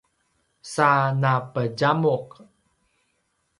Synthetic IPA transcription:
sanapəd͡ʒamuq

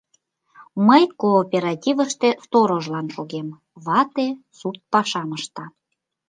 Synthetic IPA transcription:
məjkoːpʲeɾɑtʲivəʃt̪e̽st̪oɾoʒlɑnʃoɣem | βɑt̪e | sut̪̚pɑʃɑməʃt̪ɑ

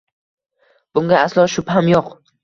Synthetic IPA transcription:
b̥ʊŋɡʲaaslˠɒʃʊphamjoq

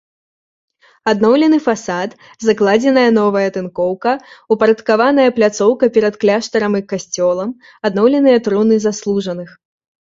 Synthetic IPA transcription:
ad̪nɔwlʲɛnɨfasat̪ | zɐklˠad͡zʲɛnɐjɐnɔvɐjɐt̪ɨnkɔwkɐupɐɾɐt̪kavanɐjɐplʲat̪sɔwkɐpʲɛɾɐt̪klʲaʂt̪ɐɾɐmikasʲt͡sʲɔlˠɐm | ad̪nɔwlʲɛnɨjɐt̪ɾunɨzaslˠuʐɐnɨx

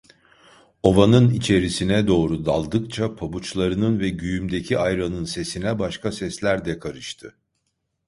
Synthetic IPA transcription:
o̞vanɯnit͡ʃʰe̞ɾisinɛd̪o̞ːɾud̪alˠd̪ɯkt͡ʃʰapʰabut͡ʃlˠaɾɯnɯnvɛɟyjymd̪e̞cʰiʔajɾanɯnse̞sinɛbaʃkasɛslʲæɾd̪ɛkʰaɾɯʃt̪ʰɯ

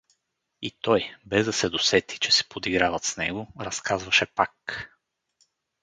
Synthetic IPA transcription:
it̪ɔjbɛzd̪ɐsɛd̪osɛt̪ʰi̥t͡ʃɛ̥sɛ̥pod̪iɡɾavɐt̪snɛɡoɾɐskʰazvɐʃɛpak

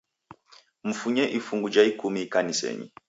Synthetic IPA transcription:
m̩fuɲɛʔifuŋɡud͡ʒaikumikanisɛ̰ɲḭ

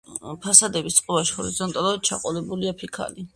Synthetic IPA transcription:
pʰasad̪ɛbist̪sʼqʼɔbaʃi̥hɔɾizɔnt̪ʼalˠuɾad̪̚t͡ʃʰa̰qʼɔlɛbuliapʰikʰa̰li

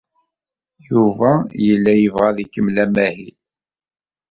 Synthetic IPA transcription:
juvæjəlːæjəvʁæðikːəmlæmæhil

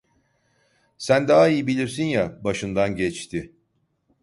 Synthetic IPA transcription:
sænd̪aɦaijibilʲiɾsinjabaʃɯnd̪anɟɛt͡ʃt̪ʰɪ

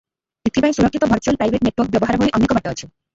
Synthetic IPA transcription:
it̪ʰːipaj̃suɾɔkʰːit̪ɔbʱɔɾt͡ʃualpɾajbʱeʈneʈwɔɾk̚bjɔbɔɦaɾboɭiʔɔnːikɔbaʈeːt͡ʃʰi

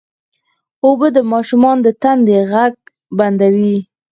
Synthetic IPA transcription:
obəd̪əmɑʃumɑnd̪ət̪and̪eɣaɡ̚ | band̪awi

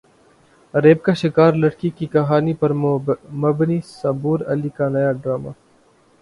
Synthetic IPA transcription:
ɾeːb̚kaʃɪkaːɾlɐɽkikikɐɦaːnipɐɾmɐbnisɐbuːɾɐlikanɐjaɖɾaːma̰ː

